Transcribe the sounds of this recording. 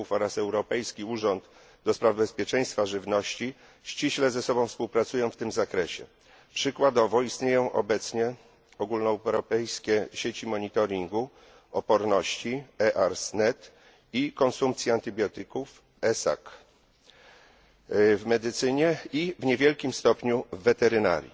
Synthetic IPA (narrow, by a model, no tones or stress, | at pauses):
ufɔɾasɛwɾɔpɛjskʲiuʐɔnd̪ | d̪ɔspɾavbɛspʲjɛt͡ʂɛ̃j̃st̪faʐɘvnɔɕt͡ɕi | ɕt͡ɕiɕlɛzɛsɔbɔ̃w̃fspuwpɾat̪sujɔ̃w̃ft̪ɘmzakɾɛɕɛ̰ | pʂɘkwad̪ɔvɔist̪ɲejɔ̃w̃ʔɔ̰bɛt̪sɲɛ | ɔɡulnɔɾɔpɛjskʲɛɕet͡ɕimɔɲit̪ɔɾʲiŋɡu | ɔpɔɾnɔɕt͡ɕiɛʔaɾsnɛt̪ | ikɔnsumpt̪sʲjɛant̪ɘbʲjɔt̪ɘkuf | ɛsa̰k | vmɛd̪ɘt̪sɘɲɛivɲevʲjɛlkʲimst̪ɔpɲuvːɛt̪ɛɾɘna̰ɾʲjḭ